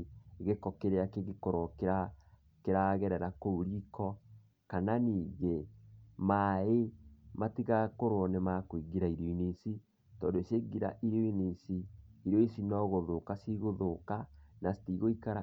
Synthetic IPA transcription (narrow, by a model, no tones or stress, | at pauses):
ɣekɔkeɾeakeɣekɔɾɔkeɾa | keɾaɣɛɾɛɾakouɾikɔ | kananiːɣemaematiɣakoɾwɔnɛmakoiɡiɾaiɾiinisi | tɔːndoeseɡiɾa̰ʔiɾoinisiiɾjoisinɔɣoðokasiɣoðokanasi̥tiɣoikaɾa